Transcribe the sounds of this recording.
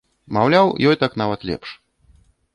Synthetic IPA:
mawlʲawjɔjt̪aknavɐt̪lʲɛ̰pʂ

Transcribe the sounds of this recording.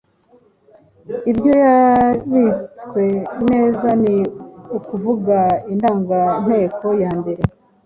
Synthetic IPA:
ibjo̞jaβit͡swe̞ne̞ːzaniukuvuɡaindaːŋɡan̥he̞ːko̞jaːmbe̞ɾe̞

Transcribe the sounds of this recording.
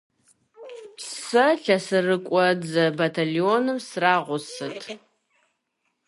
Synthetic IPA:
ssɐɬɐsɨrɨkʷʼɔd͡zɐbatʰalionɨmsraʁʷʊsɨtʰʼ

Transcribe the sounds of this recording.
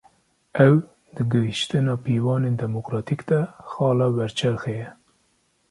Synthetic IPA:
ɛw | d̪ɨɡɨɦiʃt̪ɨnɑːpiːwɑːneːnd̪ɛmokɾɑːt̪ikd̪̥ɛxɑːlɑːwɛɾt͡ʃʰɛɾxejɛ

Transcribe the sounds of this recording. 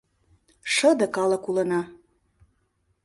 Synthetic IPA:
ʃə̆d̪ə̆kɑlə̆kulə̆nɑ

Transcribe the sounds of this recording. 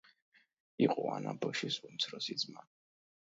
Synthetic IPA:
iqʼɔanabɔʃisumt̪sʰɾɔsid̪zma

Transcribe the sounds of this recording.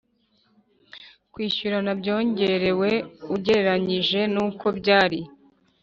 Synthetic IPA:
kwiːʃuɾanabɟo̞ːɲɟe̞ɾe̞we̞uɟe̞ɾeɾaɲiʒe̞nuːko̞bɟaːɾi

